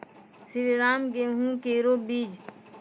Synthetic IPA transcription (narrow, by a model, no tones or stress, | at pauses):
siɾeɾaːmɡeɦũkeːɾoːbiːd͡ʒ